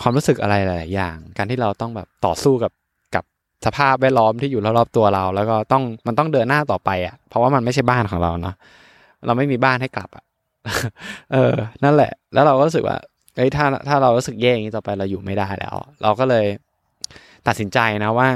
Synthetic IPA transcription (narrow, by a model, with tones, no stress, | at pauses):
kʰwaː˧mɾuː˦˥sɯ˨˩kʔa̰˧ɾa˧jːjlaː˨˦jːaː˨˩ŋkaː˧nt̪ʰiː˥˩ɾa˧wt̪ɔ˥˩ŋbɛː˨˩p̚t̪ɔ̰ː˨˩suː˥˩ka˨˩p̚ | ka̰˨˩p̚ | sa˧pʰaː˥˩p̚wɛ˥˩t̪̚lɔː˦˥mt̪ʰiː˥˩juː˨˩lɔ˥˩lɔː˦˥˩p̚t̪u˧ɐɾa˧wlɛː˦˥wkɔː˥˩t̪ɔ˥˩ŋma˧nt̪ɔ˥˩ŋdɤː˧nːaː˥˩t̪ɔː˨˩pa˧jʔa˨˩pʰɾɔ˦˥waː˥˩ma˧nma˥˩jt͡ɕʰa˥˩jbaː˥˩nkʰɔː˩˦ŋɾa˧wnɔ˦˥ | ɾʔa˧wma˥˩jmiː˧baː˥˩nɦa˥˩jkla̰˨˩p̚ʔa̰˨˩ʔ | ʔɤː˧na˥˩nlɛ̰˨˩ʔlɛː˦˥wɾa˧wkɔː˥˩u˦˥sɯ˨kwa̰ː˥˩ | hɤ˦˥jt̪ʰaː˥˩t̪ʰaː˥˩ɾa˧wɾuː˦˥sɯ˨˩k̚jɛː˥˩a˩ŋiː˦˥t̪ɔː˨˩pa˧jɾa˧wjuː˨˩ma˥˩jdaː˥˩jlɛ̰ː˦˥wɾʔa˧wkɔː˥˩lɤː˧j | t̪a˨t̪̚si˩˦nt͡ɕa˧jna˦˥waː˥˩